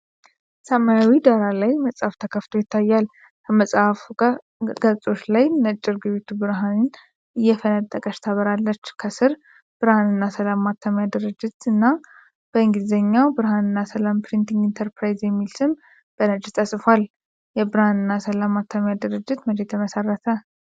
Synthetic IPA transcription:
səmajawid̪aɾalajməsʼhaft̪ʰəkʰəft̪ʰo̞jɪt̪ʰːajːal | kʰəməsʼaf | ɡ̥əsʼo̞t͡ʃlajnət͡ʃʼːɪɾɡɨβit̪ʰubɨɾɦanɨn | ɨjːɛfənət̪ʼːəkʼəʃt̪ʰaβəɾalːət͡ʃːkʰəsɨɾ | b̥ɨɾhanɨnːasəlamːat̪ʰːamjad̪ɨɾɨd͡ʒːɪt̪ɨnːa | b̥əɨŋɡizəɲːawbɨɾhanɨnːasəlampɾint̪ʰiŋɡint̪ʰəɾpɾajzjɛmːilsɨm | b̥ənəd͡ʒt̪ʰʼəsʼfal | jɛbɨɾanɨnːasəlamːat̪ʰːamjad̪ɨɾɨd͡ʒːɪt̪məd͡ʒet̪ʰəməsərːət̪ʰə

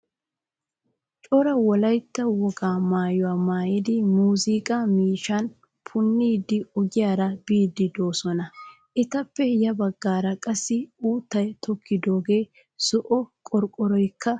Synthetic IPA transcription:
t͡ʃʼɔɾɐwɔlɐjt̪ːɐwɔɡaːmaːjʊwaːmaːjɪd̪ɪmuːzikʼamiːʃɐn | pʰʊnːiːd̪ɪɔɡɪjaːɾɐbiːd̪ɪd̪o̞ːsɔnɐ | ʔɪt̪ɐpːɛjɐbɐɡːaːɾɐkʼɐsːɪuːt̪ːɐjt̪ʰɔkːɪd̪o̞ːɡe̞ː | sɔʔɔkʼɔɾkʼːɔɾɔjkːɐ

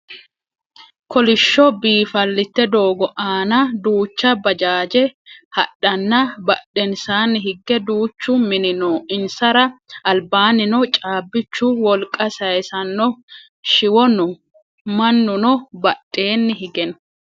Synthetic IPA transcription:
kʰɔlɪʃːɔbiːfɐlːɪt̪ːɛd̪o̞ːɡɔʔaːnɐd̪uːt͡ʃːɐbɐd͡ʒaːd͡ʒɛhɐ̰ɗːɐnːɐbɐɗɛnsaːnɪɦɪɡːɛd̪uːt͡ʃːʊmɪnɪnɔɪnsɐɾɐɐlbaːnɪnɔt͡ʃʼaːbːɪt͡ʃːʊwɔlkʼːɐsɐjɛsɐnːɔ | ʃɪwɔnʊ | mɐnːʊnɔbɐɗːe̞ːnːɪɦɪɡɛn

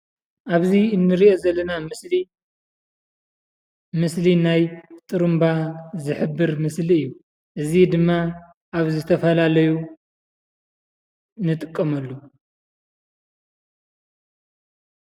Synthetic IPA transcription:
ʔaβziɨnːɨɾiʔozɐlːɐnamɨsli | mɨslinajt̪ʼɨɾumbazɨħɨbːɨɾmɨsliɨjːu | ʔɨzid̪ɨmːa | ʔaβzɨt̪ʰɐfɐlalɐju | nɨt̪ʼɨkʼːɐmɐlːu

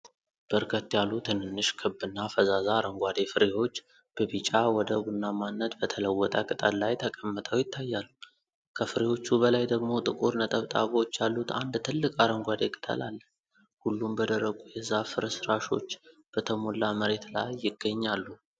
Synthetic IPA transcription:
b̥əɾkʰət̪ːjalːut̪ʰɨnɨnːɨʃkʰɨbːɨnːafəzazaːɾəŋɡʷad̪e̞fɨɾeho̞t͡ʃː | b̥əβit͡ʃʼawɔd̪əɡunːamanːət̪bət̪ʰələwːɔt̪ʼakʼɨt̪ʼallajt̪ʰəkʼəmːət̪ʼəwjɪt̪ʰːajːalːu | kʰəfɨɾeho̞t͡ʃːubəlajd̪əɡmo̞t̪ʼɨkʼuɾnət̪ʼəβt̪ʼaβo̞t͡ʃːjalːut̪and̪t̪ʰɨlːɨkʼaɾəŋɡʷad̪e̞kʼɨ̥t̪ʰə̰lalːə | hulːumbəd̪əɾəɡujɛzːafɨɾəsɨɾaʃo̞t͡ʃːb̥ət̪ʰəmo̞lːaməɾe̞t̪la̰jːɪɡːəɲːalːu

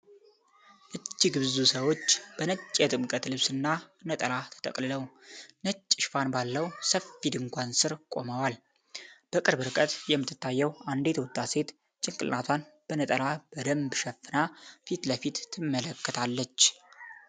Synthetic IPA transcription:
ʔɨt͡ʃːiɡɨβzusəwo̞t͡ʃːb̥ənət͡ʃʼːjɛt̪ʼɨmkʼət̪lɨβsɨnːanət̪ʼəlat̪ʰə̥t̪ʰʼə̰kʼlɨləwnət͡ʃʼːɪʃfanbalːəwsəfid̪ɨŋkʷʰansɨɾkʼo̞məwal | b̥əkʼɨɾbɨɾɨkʼət̪jɛmːɨt̪ːɨt̪ːajːɛwand̪e̞t̪ʰəwʊt̪ʼːase̞t̪ | t͡ʃʼɪŋkʼɨlnat̪ʰwanb̥ənət̪ʼəlab̥əd̪əmbʃɛfːɨnafit̪ləfit̪ʰːɨmːələkːət̪ʰalːət͡ʃː

